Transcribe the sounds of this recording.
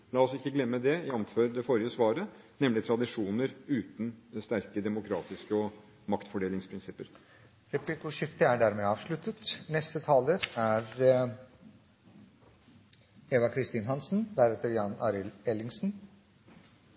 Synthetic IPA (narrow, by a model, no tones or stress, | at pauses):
lɑːɔsɪkːəɡlɛmːəd̪ɛjɑnføːɾd̪ɛfɔɾɪəsʋɑːɾənɛmːlɪt̪ʰɾɑd̪ɪʂuːnəɾʉːt̪n̩st̪æɾkəd̪ɛmʊkʰɾɑːt̪ɪskəɔ | mɑkt̪fɔɖeːlɪŋspʰɾɪnsɪpːəɾ | ɾɛplɪkʊʂɪft̪əæɖæɾmeːɑːʋʂɭʉt̪ət̪nɛst̪ət̪ʰɑːləɾæɾ | eːʋɑkʰɾɪst̪iːnɦɑnsn̩d̪æɾɛt̪əɾjɑnɑ̰ːɾɪlɛlɪŋsn̩